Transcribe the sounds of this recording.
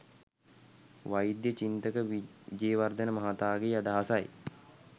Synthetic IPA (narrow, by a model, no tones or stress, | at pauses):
ʋajid̪jət͡ʃint̪əkəid͡ʒeːʋard̪ənəmɐɦat̪aːɡeːad̪aɦasaj